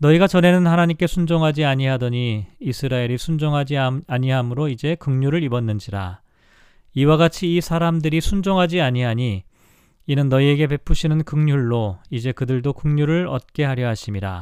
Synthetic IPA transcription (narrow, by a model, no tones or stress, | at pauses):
nʌiɡat͡ɕʌne̞nɯnhanaɲimk͈e̞sʰund͡ʑoŋɦad͡ʑiaɲiɦadʌɲiːsʰɯɾaeɾisʰund͡ʑoŋɦad͡ʑiaɲiɦamɯɾoid͡ʑe̞kɯŋɲuɾɯɾibʌnːɯnd͡ʑiɾa̰ | iwaɡat͡ɕʰiːsʰaɾamdɯɾisʰund͡ʑoŋɦad͡ʑiaɲiɦaɲiː | nɯnːʌie̞ɡe̞p̬e̞pʰuɕʰinɯnkɯŋɲuɭːoid͡ʑe̞kɯdɯɭdokɯŋɲuɾɯɭʌ̰t̚k͈e̞ɦaɾjʌɦaɕʰimiɾa̰